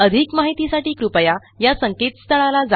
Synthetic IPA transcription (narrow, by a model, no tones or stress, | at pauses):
əd̪ʱikmaɦit̪isaʈiːkɾupəja | jasəŋket̪st̪ʰəɭalad͡za